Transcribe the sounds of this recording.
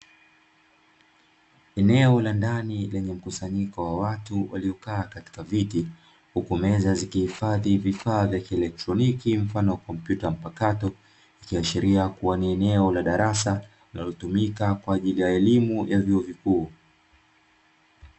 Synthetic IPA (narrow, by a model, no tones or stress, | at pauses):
ɛnɛɔlandanilɛɲɛm̩kusaɲikɔwawatuwa̰liɔkaːkati̥kaviti | hukumɛzazikihifaðivifaːvjakiɛlɛk̚tɾɔnikim̩fanɔwakɔm̩pjutam̩pakatɔ | ikiaʃiɾiakuwaniɛnɛɔlaɗaɾasa | linalɔtumikakwaːʄilijaɛlimujʔavjuɔvikuː